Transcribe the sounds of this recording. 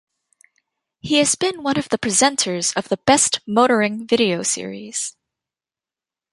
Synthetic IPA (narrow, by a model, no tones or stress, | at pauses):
hiɨzbɨ̃nwʌ̃nʌvðɨpʰɹ̥izɛ̃ntʰə˞z̥ʌvðəbɛstmoʊɾə˞ɪ̃ŋvɪɾioʊsɪ̰ɹḭz̥